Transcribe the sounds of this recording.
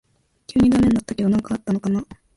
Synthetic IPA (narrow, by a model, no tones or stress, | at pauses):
kʲɨːɲ̟id̪ame̞ɲnːat̪ːakʲed̪anãŋkaat̪ːano̞kana